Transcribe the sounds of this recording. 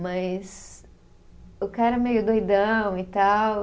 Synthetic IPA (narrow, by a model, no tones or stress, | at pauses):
mɐs | ʊkaɾɐmejʊd̪ojd̪ɐ̃w̃it̪aw